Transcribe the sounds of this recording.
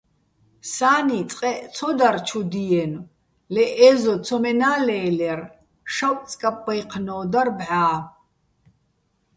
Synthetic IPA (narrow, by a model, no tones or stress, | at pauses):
saːnit͡sʼqʼɛʔt͡sʰɔd̪aɾt͡ʃʰud̪iɛn | lɛʔɛːzɔt͡sʰɔmɛnaːlɛːlɛr | ʃawʼt͡sʼkʼapʼːajqʰnɔːd̪arbʕaː